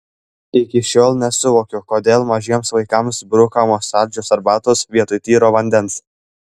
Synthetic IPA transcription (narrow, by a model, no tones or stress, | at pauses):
ɪkʲɪʃʲoːlˠnʲɛsʊʋoːkʲʊkoːd̪ʲeːlˠmɐʒʲiɛmsʋɐɪkɐmsbɾʊkɐmoːsɑːɾʲd͡ʒʲoːsɐɾbɑːt̪oːsʋʲiɛt̪ʊɪt̪ʲiːɾoːʋɐnʲd̪ʲɛns